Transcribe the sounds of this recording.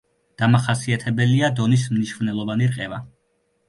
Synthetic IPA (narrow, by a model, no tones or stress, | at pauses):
d̪̥amaχasiat̪ʰɛbɛliad̪ɔnis̬mniʃvnɛlˠɔvaniɾqʼɛva